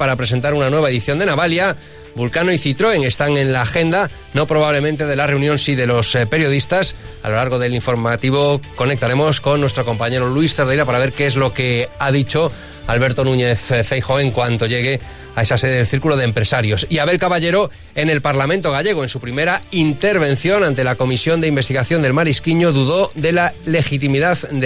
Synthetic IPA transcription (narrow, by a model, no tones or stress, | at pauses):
paɾapɾes̬e̞nt̪aɾunanwe̞β̞ae̞ðiθjo̞nd̪e̞naβalja | bulkanoiθit̪ɾo̞e̞ŋe̞st̪aŋe̞nlaːxe̞nd̪a | no̞pɾo̞β̞aβle̞mẽ̞nt̪e̞ð̞e̞lare̞unjo̞nsiðe̞lo̞spe̞ɾjo̞ð̞ist̪as | a̰lo̞laɾɣ̞o̞ðe̞liɱfo̞ɾmat̪iβ̞o̞ko̞ne̞k̚t̪aɾe̞mo̞sko̞nːwe̞st̪ɾo̞ko̞mpaɲe̞ɾo̞lwuist̪eɾðejɾapaɾaβ̞e̞ɾkeezlo̞ke̞aðit͡ʃo̞ | alβe̞ɾt̪o̞nũɲe̞θfejxo̞e̞ŋkwant̪o̞ʎe̞ɣ̞e̞ | ae̞sase̞ðeelθiɾkuloðempɾe̞saɾjo̞siaβe̞lkaβaʎe̞ɾo̞ | e̞ne̞lpaɾlament̪o̞ɣ̞aʎe̞ɣ̞oe̞nsupɾime̞ɾaint̪e̞ɾβe̞n̟θjo̞nãnt̪e̞lako̞misjo̞nd̪eimbe̞st̪iɣaθjo̞nd̪e̞lmaɾiskiɲoðuðo̞d̪e̞lale̞xit̪̬imiðaðd̪